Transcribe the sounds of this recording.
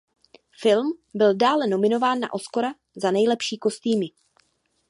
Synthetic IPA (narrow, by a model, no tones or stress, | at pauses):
fɪlmbɪldaːlɛno̞mɪno̞vaːnːa̰ʔo̞sko̞ɾa | zanɛjlɛpʃiːko̞st̪iːmɪ